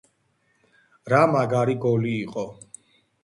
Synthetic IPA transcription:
ɾamaɡaɾiɡɔliːqʼɔ

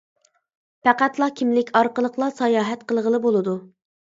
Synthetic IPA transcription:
pæqæt̪lˠɑkʲʰimlɪkʲɑɾqəlˠəqlˠɑsɑjɑːɦɛt̪̚qəlˠəʁəlˠɨbolˠɨd̪u

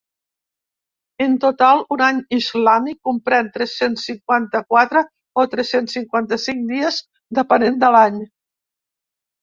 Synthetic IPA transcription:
ənt̪ut̪alˠunaɲizlamikːumpɾɛnt̪ɾɛsensːiŋkwant̪əkwat̪ɾə | ot̪ɾɛsensːiŋkwant̪əsiŋd̪iəz | d̪əpənend̪əlaɲ

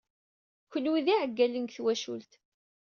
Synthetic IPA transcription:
kəlwiðiʕəɡːælənɡθwæʃṵlt̪

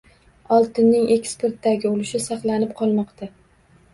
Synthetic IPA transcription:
ɒlˠt̪ɪnːɪŋe̞kspe̞ɾt̪ːaɡʲɪolɪʃɪsɑqlˠanɪp̚qʰɒlˠmɒqt̪ʰa

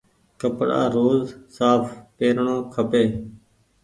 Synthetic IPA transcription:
kəpɽa̰ːɾoːzsaːfpeːɾɳõːkʰəpeː

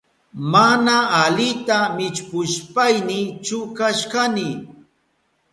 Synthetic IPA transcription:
manaalɪt̪amɪt͡ʃpʊʃpajnɪt͡ʃʊkaʃkanɪ

